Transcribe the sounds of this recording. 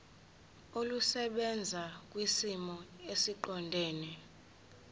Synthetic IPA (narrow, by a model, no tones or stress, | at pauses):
olusɛɓɛnd͡zʱak̬wisimɔesiǃɔndʱɛːnɛ